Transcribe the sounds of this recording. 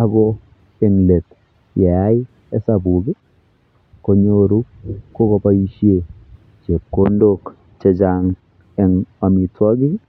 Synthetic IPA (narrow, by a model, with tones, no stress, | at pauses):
a˦ɡɔ˦ | e˦ŋle˨t̪ | jɛ˨a˦ɪ˦ | ɛ˦sa˨bu˨ɡɪ˦ | ko˦ɲo˦ɾu˦ko˦ɡo˦pa˦i˦ʃje˦˨ | t͡ʃe˨kːo˦ndo˦˨k | t͡ʃe˦d͡ʒa˨ŋ | ɛ˨ŋa˨mi˨twɔ˦ɡɪ˦